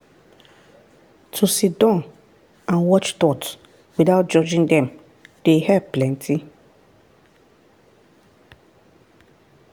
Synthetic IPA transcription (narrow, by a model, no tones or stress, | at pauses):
tʰusidɔ̃n | ãnwɔt͡ʃt̪ɔt | widaʊt̚d͡ʒɔd͡ʒĩŋdɛ̃m | d̥ehɛvplɛ̃ntʰi